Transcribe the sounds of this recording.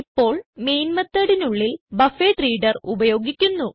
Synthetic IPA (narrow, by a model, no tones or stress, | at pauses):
ipːo̞ːɭmejnmɐt̪ːɐɽinuɭːilbɐfeːʈriːɖɐrubɐjo̞ːɡikʲːunːu